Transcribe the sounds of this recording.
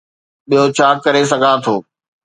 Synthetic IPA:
ɓijot͡ɕʰaːkɐɾes̬ɐɡʱãːt̪ʰoː

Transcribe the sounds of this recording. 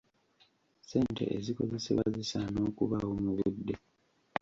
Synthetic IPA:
se̞ːnte̞̰ʔeziko̞ze̞sḛβaze̞sano̞ːkuβaomuβidːe

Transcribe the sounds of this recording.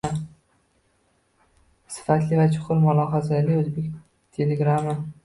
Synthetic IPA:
sɪ̥fat̪lɪvat͡ʃʰʊ̥qʰʊɾmʊlˠɒɦazalɪɵzbekʲ | t̪ʰe̞leɡɾamɪ

